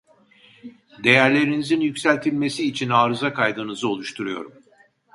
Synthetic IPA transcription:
d̪e̞jæɾlʲe̞ɾinizinjycsælʲt̪ʰilʲme̞siːt͡ʃʰinaːɾɯzakʰajd̪ɯnɯzɯo̞lˠuʃt̪ʰuɾujo̞̰ɾum

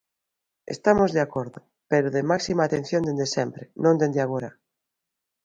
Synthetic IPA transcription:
ḛst̪amozðeakoɾðo | peɾoðemaksimaːt̪ẽn̟θjond̪end̪esempɾenõnd̪end̪eaɣ̞oɾa

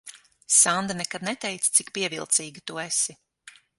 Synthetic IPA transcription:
sand̪anɛkad̪̚nɛt̪ɛjt̪st̪sikpiɛvḭlˠt̪siːɡit̪uɛsi

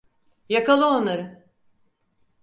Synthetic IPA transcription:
jakalˠɯonaɾɯ

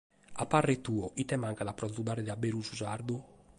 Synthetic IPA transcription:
apːarːet̪uːɔʔit̪ɛmaŋkad̪apːɾɔzud̪aːɾed̪abeɾud͡ʒuzaɾd̪u

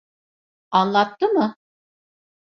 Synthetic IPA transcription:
anlˠat̪t̪ːɯmɯ

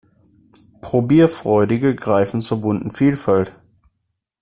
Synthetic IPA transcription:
pʁ̥obiːɐfʁ̥ɔʏdɪɡəɡʁaɪfn̩t͡suːɐbʊntn̩fiːlfalt

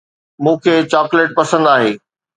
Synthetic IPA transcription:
mũːkʰeːt͡ɕaːkleːʈ̚pɐsə̃nd̪aːɦeː

